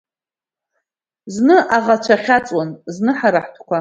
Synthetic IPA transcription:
znɨʔaʁat͡ʃʷʰaχʲat͡sʼwanznɨħaɾaħtʰkʷa

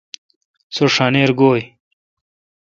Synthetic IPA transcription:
soʂaːneːɾɡoːj

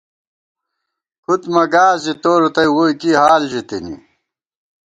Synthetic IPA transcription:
kʰut̪mɐɡaːzit̪oːɾot̪ɐjwokiɦaːlʑit̪enḭ

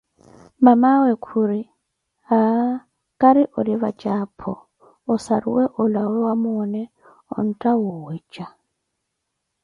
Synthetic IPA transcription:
mamawɛkʰuɾi | a | kʼaɾiʔɔɾiβat͡ʃʼaːpʰɔ̰ | ɔsaɾṵwɛʔɔlawɛwamunɛ | ɔ̰n̩tʼawuwɛt͡ʃʼa

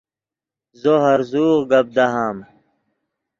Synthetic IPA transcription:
zoɦɐɾzuːʁɡɐb̚d̪aɦaːm

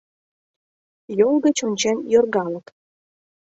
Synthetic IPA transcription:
jolɡət͡ɕonʲt͡ɕenjorɣɑlək

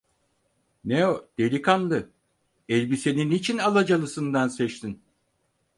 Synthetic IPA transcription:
neod̪̥e̞ɾʲikʰanlˠɯ | ɛlʲbise̞ninit͡ʃʰinalˠad͡ʒalˠɯsɯnd̪ansɛt͡ʃt̪ʰin

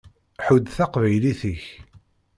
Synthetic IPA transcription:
ħud̪θɑqvæjliθiç

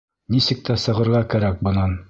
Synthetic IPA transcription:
nisɘ̆k̚t̪æsɤ̆ʁɤ̆ɾʁɑkæɾæk̚bɤ̆nɑn

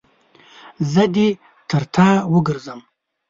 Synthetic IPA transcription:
zəd̪i | t̪ʰəɾt̪ʰɑːwəɡəɾzəm

